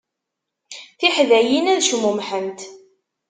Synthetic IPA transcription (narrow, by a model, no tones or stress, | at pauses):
θiħðæjinæðʃmumħənt̪